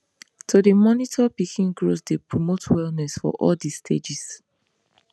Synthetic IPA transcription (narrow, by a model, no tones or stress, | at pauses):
tʰudimɔnitʰɔpikʰĩnɡɹosdepɹomotʰwɛlnɛsfɔ̰ʔɔ̰ldistʰḛd͡ʒis